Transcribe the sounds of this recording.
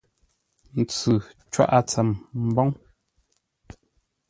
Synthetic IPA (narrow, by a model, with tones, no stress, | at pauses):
n̩˨t͡sʉ˨t͡ʃwa̰˦ʔa˦t͡sɛ˨mm̩˨bɔ˦ŋ